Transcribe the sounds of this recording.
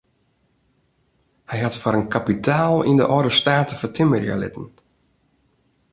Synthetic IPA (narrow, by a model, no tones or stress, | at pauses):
hɛjɦatfaɾənkapitʰaːlˠḭndə̰ʔɔdəstaːtəfatʰɪmərja̰lɪ̰tən̩